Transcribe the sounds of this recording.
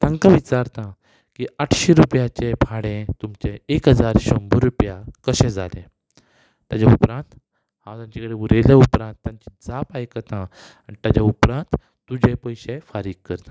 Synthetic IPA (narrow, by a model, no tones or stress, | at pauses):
t̪ãŋkãʋit͡ɕaɾt̪ã | kiaʈʰɕeɾupjat͡ɕepʰaɽẽt̪umt͡ɕeekɦəd͡zaɾɕəmbəɾupjakəɕɛ̃d͡zalẽ | t̪jad͡ʑaupɾãnt̪ | ɦãwt̪ãɲt͡ɕakəɽeʋuɾeljaupɾãnt̪ːjaɲt͡ɕid͡zapajkət̪ã | aɳt̪ad͡ʑaupɾãnt̪ | t̪ud͡ʑepəjɕefaɾiːk̚kːəɾt̪ḁ̃